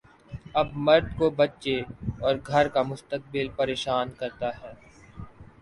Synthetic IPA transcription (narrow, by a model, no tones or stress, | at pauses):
ɐbmɐɾd̪kobɐtːt͡ʃeɔːɾɡʱɐɾkamʊst̪ək̚bɪlpɐɾeːʃaːnkɐɾt̪aɦɛː